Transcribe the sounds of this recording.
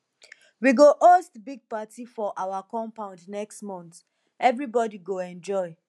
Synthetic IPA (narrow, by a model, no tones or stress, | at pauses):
wiɡoʔostbiɡ̚patifɔʔawakɔ̃mpãʊ̃ndnɛkstmɔ̃nt̪ | ɛvɹibɔdiɡoɛ̃nd͡ʒɔɪ